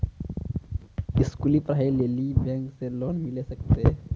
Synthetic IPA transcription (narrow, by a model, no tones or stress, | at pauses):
ɪskulipɾaːileːlibʱɛ̃ŋkseloːnmɪlesəkt̪eɦɛ